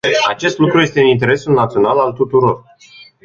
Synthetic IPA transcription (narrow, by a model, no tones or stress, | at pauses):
a̰t͡ʃe̞st̪lukɾuje̞st̪eunint̪e̞ɾe̞sulnat̪sio̞nalalt̪ut̪uɾo̞r